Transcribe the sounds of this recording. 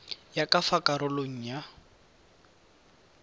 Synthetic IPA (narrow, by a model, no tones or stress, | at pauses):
jakafakaɾʊloŋ̩ja